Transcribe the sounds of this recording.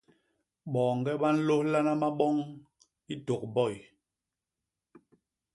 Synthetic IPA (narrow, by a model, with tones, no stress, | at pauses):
ɓɔː˨ŋ˨ɡɛ˦ɓa˦n̩˦lo˦hla˦na˦ma˦ɓɔ˦ŋ | i˦to˨k̚bɔ˦˨j